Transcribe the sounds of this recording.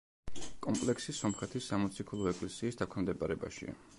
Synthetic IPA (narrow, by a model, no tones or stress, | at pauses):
kʼɔmpʼlɛksisɔmχɛt̪ʰisːamɔt̪sʰikʰulˠɔɛkʼlɛsiːsd̪akʰnɛmd̪ɛpʼaɾɛba̰ʃḭa̰